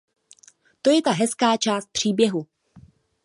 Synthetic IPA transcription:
t̪o̞jɛt̪aɦɛskaːt͡ʃaːst̪̚pr̝̥iːbjɛɦu

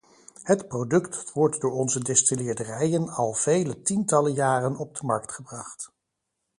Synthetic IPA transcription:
hətprodɵktʋɔɹtdʊːɹɔnzədɛstilɪːɹdərɛjənɑlˠv̥ejlətintɑləjaːrənɔb̚dəmɑɹktχəbrɑχt

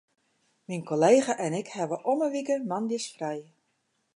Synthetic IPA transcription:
minkoleːɣaʔɛnɪkhɛʋəʔɔməʋikəmandjəsfrɛj

